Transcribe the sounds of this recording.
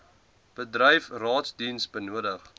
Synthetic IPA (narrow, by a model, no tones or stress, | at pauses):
b̥ədrəjfrɑːtsdinsbənuədəχ